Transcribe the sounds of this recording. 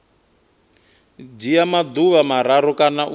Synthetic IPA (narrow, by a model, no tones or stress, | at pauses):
d͡ʒijamad̪uβamaɾaɾɔkʼanaʔu